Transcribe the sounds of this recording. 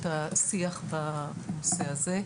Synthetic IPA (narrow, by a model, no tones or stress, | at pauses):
tasiaχbanoseaze̞